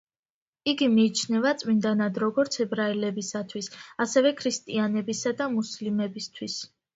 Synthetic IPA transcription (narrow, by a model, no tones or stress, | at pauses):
iɡimiːt͡ʃʰnɛvat̪sʼmind̪anad̪ɾɔɡɔɾt̪sʰɛbɾailɛbisat̪ʰwisasɛvɛkʰɾist̪ʼianɛbisad̪amuslimɛbist̪ʰwis